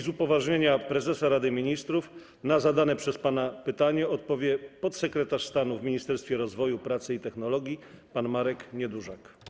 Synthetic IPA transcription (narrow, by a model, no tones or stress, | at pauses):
zupɔvaʐɲeɲapɾɛzɛsaɾad̪ɘmʲiɲist̪ɾuf | nazad̪anɛpʂɛspanapɘt̪aɲɛɔt̪̚pɔvʲjɛpɔt̪sɛkɾɛt̪aʂst̪anuvmʲiɲist̪ɛɾst̪fʲjɛɾɔzvɔjupɾat̪sɘit̪ɛxnɔlɔɡʲjipanmaɾɛkɲɛd̪uʐak